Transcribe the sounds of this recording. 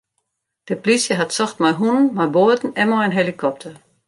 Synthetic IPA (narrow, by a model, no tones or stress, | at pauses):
d̥əplisjəɦatsɔxtmajɦunənmaboədn̩ɛmɔənɦelikʰɔp̚tʰər